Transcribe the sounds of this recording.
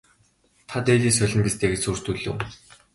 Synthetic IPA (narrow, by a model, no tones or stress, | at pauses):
t̪ʰat̪eːɮiːs̬œɮʲɞ̆mpʲist̪eːɡet͡ɕsuːr̥t̪uɮɘ̰̆w